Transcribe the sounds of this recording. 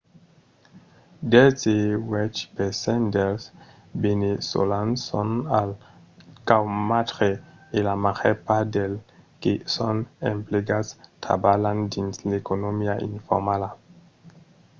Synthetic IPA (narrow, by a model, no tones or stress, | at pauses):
dezewɛt͡ʃpesɛndels | beneso̰lanso̰nal | kawmatʁeelamaχepadelkisonempleɡastʰa̰balandinslekonomiaʔḭnfo̰ʁmala